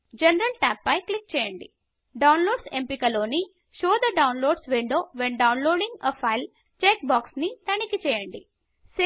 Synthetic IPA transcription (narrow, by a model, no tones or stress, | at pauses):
d͡ʒɛnɐɾɐlʈæːpːɐjklik̚t͡ʃɛːjɐɳɖi | ɖɐwnloːɖsempikɐloːni | ʃoːd̪ɐɖɐwnloːɖsʋiɳɖoːʋenɖɐwnloːɖiŋɡɐfʰɐjl | t͡ʃeːk̚baːksnit̪ɐɳikit͡ʃɛːjɐɳɖi | se